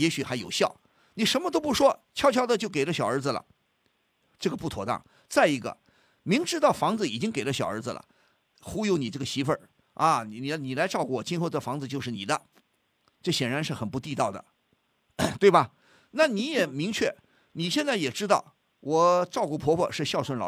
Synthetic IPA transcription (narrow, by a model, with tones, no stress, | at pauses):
jɛ˧˥ɕy˨˩xa˧˥ɪjo˨˩ʊɕjɑ˥˩ʊ | ni˨˩ʂə˧˥nmə˧t̪o˥ʊpu˥˩ʂwɔ˥t͡ɕʰjɑ˥ʊt͡ɕʰɑ˥ʊd̪ə˧t͡ɕjo˥˩ʊke˨˩ɪlə˦ɕjɑ˨˩ʊə˞˧˥d͡zɹ̩˧lə̰˩ | ʈ͡ʂɤ˥˩ɡə˩pu˥˩t̪ʰwɔ̰˧˥t̪ɑ̰˥˩ŋ | t͡sa˥˩ɪi˧˥ɡə̰˧ | mi˧˥ŋʈ͡ʂɻ̩˥t̪ɑ˥˩ʊfɑ˧˥ŋd͡zɹ̩˧i˨˩t͡ɕi˥ŋke˨˩ɪlə˦ɕjɑ˨˩ʊə̰˞˧˥d͡zɹ̩˧lʔə̰˩ | xu˥jo˧˥ʊni˨˩ʈ͡ʂɤ˥˩ɡə˩ɕi˧˥fə̰˥˩ | ɐ˧n˨˩i˨˩ni˨˩la˧˥ɪʈ͡ʂɑ˥˧ʊku˥˩wɔ˨˩t͡ɕi˥nxo˥˧ʊd̪ə˨˩fɑ˧˥ŋd͡zɹ̩˧t͡ɕjʊʂɻ̩˥˩ni˨˩d̪ə˦ | ʈ͡ʂɤ˥˩ɕjɛ˨˩nɻa˧˥nʂɻ̩˥˩xə˨˩npu˧t̪i˥˧t̪ɑ˥˩ʊd̪ə̰˩ | t̪we˥˩ɪbɐ˩ | na˥˩ni˧˥jɛ˨˩mi˧˥ŋt͡ɕʰɥɛ̰˥˩ | ni˨˩ɕjɛ˥˧nt͡sa˥˩ɪjɛ˨˩ʈ͡ʂɻ̩˥t̪ɑ˥˩ʊ | wʔɔ˨˩ʈ͡ʂɑ˥˧ʊku˥˩pʰwɔ˧˥pʰwɔ˥˧ʂɻ̩˥˧ɕjɑ˥˧ʊswə˥˩nlɑ̰˨˧˩